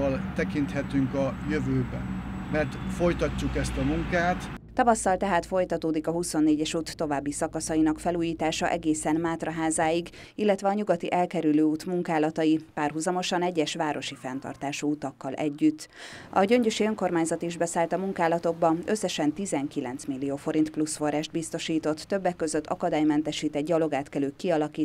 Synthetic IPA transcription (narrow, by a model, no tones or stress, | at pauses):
ɒlt̪ɛkint̪hɛt̪yŋkɒjøvøːbɛ̰nmɛrt̪fo̞jt̪ɒcːukɛst̪ɒmuŋkaːt̪t̪ɒvɒsːɒlt̪ɛɦaːt̪fo̞jt̪ɒt̪oːd̪ikɒɦuso̞nːeːɟɛʃuːt̪ːo̞vaːbːisɒkɒsɒinɒkfɛluːjiːt̪aːʃɒ̰ʔɛɡeːsɛnmaːt̪rɒɦaːzaːjiɡ | ilːɛt̪ʋɛɒɲuɡɒt̪iʔɛlkɛɾyløːuːt̪muŋkaːlɒt̪ɒjipaːrɦuzɒmo̞ʃɒnɛɟːɛʃʋaːɾo̞ʃifɛnt̪ɒ̰rt̪aːʃuuːt̪ɒkːɒlʔɛ̰ɟːyt̪ːɒ̰ɟø̞ɲɟøʃiøŋko̞rmaːɲzɒt̪iʒbɛsaːlt̪ɒmuŋkaːlɒt̪o̞ɡ̚bɒøsːɛʃɛnt̪izɛŋkilɛ̰nt̪smilːijoːfo̞ɾint̪plusfo̞raːʒt̪̚bist̪o̞ʃiːt̪o̞t̪ːøbːɛkːø̞zøt̪ːɒ̰kɒd̪aːjmɛnt̪ɛʃiːt̪ɛɟɟɒlo̞ɡaːt̪kɛløːkkiɒlɒkiː